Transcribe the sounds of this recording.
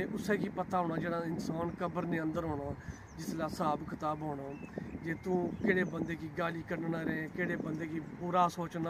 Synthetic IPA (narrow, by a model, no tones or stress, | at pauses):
eʔʊseːkiːpət̪aːɦoːnaːd͡ʒeːɽãːɪnsaːnkəbəɾnẽːə̃nd̪əɾɦoːɳaː | d͡ʒɪslaːsaːbkʰət̪aːbɦoːnaːd͡ʒeːt̪ũːkɪːɽeːbənd̪eːkiːɡaːliːkəɾnnãːɾẽkeːɽeːbənd̪eːkiːbuːɾaːsoːt͡ʃnaː